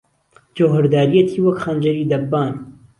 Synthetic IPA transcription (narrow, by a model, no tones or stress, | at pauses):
d͡ʒowɦɨɾd̪aːɾijɛt̪ʰiːwɐkxand͡ʒɐɾiːd̪ɐbːaːn